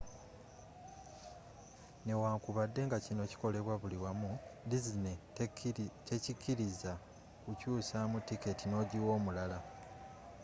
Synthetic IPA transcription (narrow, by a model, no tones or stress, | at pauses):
ne̞waːŋkuβadːe̞ŋɡacino̞ci̥ko̞le̞βwaβuliwamudizine | cecikːiɾiza | kucuːsamutiketino̞ːɟiwo̞ːmulala